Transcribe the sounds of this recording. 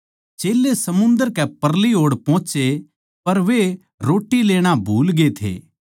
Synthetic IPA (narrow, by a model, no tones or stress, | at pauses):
t͡ʃeːlːesɐmʊ̃nd̪əɾkɛpɐɾliɦoːɽpɔ̃ːt͡ʃe | pɐɾʋe | ɾoːʈileːɽ̃abʱuːlɡet̪ʰḛː